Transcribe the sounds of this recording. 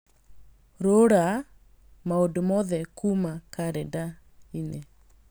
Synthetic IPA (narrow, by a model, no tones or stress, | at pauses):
ɾoɾa | maodomɔðɛkumakaɾeda | ine